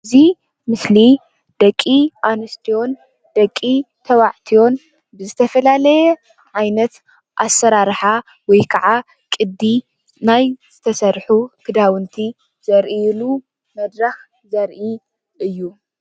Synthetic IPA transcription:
zi | mɨsli | d̪̥ɐkʼːiʔanɨst̪ʰijo̞n | d̪̥ɐkʼːi | t̪ʰɐwaʕt̪ʰio̞n | bɨzɨt̪ʰɐfɐlalɐjɛ | ʕajnɐt̪ | ʔasːɐɾaɾħa | wɔjkʰɐʕa | kʼɨd̪ːi | najzɨt̪ʰɐsɐɾħukʰɨd̪awɨnt̪ʰi | z̥ɐɾʔilu | mɐd̪ɾɐx | zɐɾʔi | ʔɨjːu

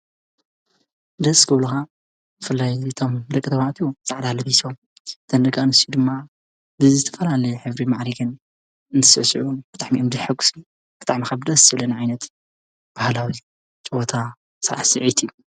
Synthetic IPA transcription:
d̪ɐskʰɨβluxa | bɨfɨlːajɨt̪ʰo̞md̪ɐkʼːit̪ʰɐβaʔt̪ʰuzaʕd̪alɐβisom | t̪ʰɐnd̪ɐɡanɨsiud̪ɨmːa | bɨzɨt̪ʰɐfɐlalɐjɛħɨβɾimaʕɾiɡɨn | ɨnt̪ʰɨsɐ̰sʕub̥ɨt̪ʼaʕmiʔɨmd̪ɨħɨɡu̥snu | b̥ɨ̥t̪ʼaʕmikaβd̪ɐsɨlɐniʕajnɐt̪ | b̥ahlawi | t͡ʃʼɨwot̪ʰa | sa̰ʕsɨʕit̪ʰiju

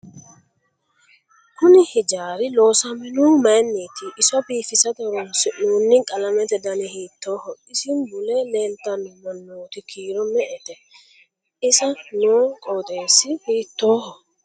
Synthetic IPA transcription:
kʊnɪhɪd͡ʒaːɾɪlo̞ːsɐmɛnuːmɐnːiːt̪ɪʔɪsɔbiːfɪsɐd̪ɔɾɔnsɪnuːnːɪkʼɐlɐmɛt̪ɛd̪ɐnɛhiːt̪ːo̞ːhɔɪsɪnbʊleleːnt̪ːɐnʊnɔnuːt̪ɪkʰiːɾɔmɛʔɛt̪ɛ | ɪsɐnuːkʼɔd̪e̞ːsːɪhiːt̪ːoːhɔ

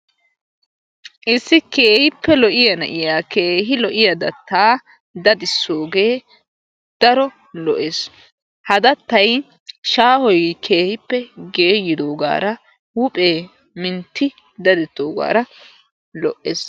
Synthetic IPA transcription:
ʔɪsːɪke̞ːhɪpːɛlɔʔɪjɐnɐʔɪjaːke̞ːɦɪlɔʔɪjɐd̪ɐt̪ʰːaː | d̪ɐd̪ɪsːo̞ːɡe̞ː | d̪̥ɐɾɔ | lɔʔes | hɐd̪ɐt̪ːɐj | ʃaːhɔjkʰe̞ːhɪpːɛɡeːjːɪd̪o̞ːɡa̰ːɾɐ | huːpʼe̞ː | mɪnt̪ʰːɪ | d̪ɐd̪ɪt̪ːoːɡa̰ːɾɐ | lɔ̰ʔes

